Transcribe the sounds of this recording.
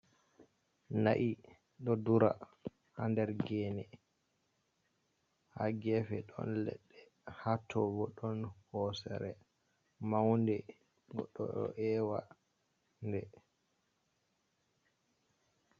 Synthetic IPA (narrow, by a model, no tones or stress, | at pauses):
naʔi | ɗɔduɾa̰ | handɛɾɡɛːnɛ | haɡɛfɛɗɔ̰nlɛ̰ɗːɛ | hatʰːɔbɔɗɔnhɔsɛɾɛ | mawndɛ | ɡɔɗːɔɗɔ̰ʔɛːwa | ndɛ